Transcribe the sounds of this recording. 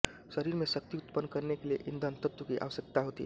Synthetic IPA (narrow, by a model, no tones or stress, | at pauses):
ʃəɾiɾmẽsək̚t̪iut̪pənːkəɾnekelieʔind̪ʱənt̪ət̪wəkiʔa̰ʋəsjək̚t̪aɦot̪ḭ